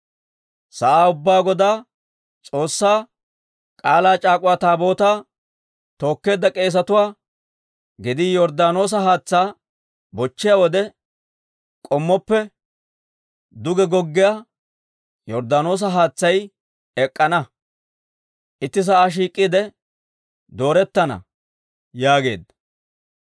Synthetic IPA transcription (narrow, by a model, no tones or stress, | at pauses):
sɐʔaːʊbːaːɡɔd̪aː | t͡sʼo̞ːsːaː | kʼaːlaːt͡ʃʼaːkʼʊwaːt̪aːbo̞ːt̪aː | t̪o̞ːkːe̞ːd̪ɐkʼe̞ːs̬ɐt̪ʊwaː | ɡɪd̪ɪjɔɾd̪aːno̞ːs̬ɐɦaːt͡sːaː | bɔt͡ʃːɪjawɔd̪ɛ | kʼɔmːɔpːɛ | d̪ʊɡɛɡɔɡːɪjaː | jɔɾd̪aːno̞ːs̬ɐɦaːt͡sːɐj | ɛkʼːɐnɐ | ʔɪt̪ːɪs̬ɐaʃ̬iːkʼːɪd̪ɛ | d̪o̞ːɾɛt̪ːɐnɐ̰ | jaːɡe̞̰ːd̪ɐ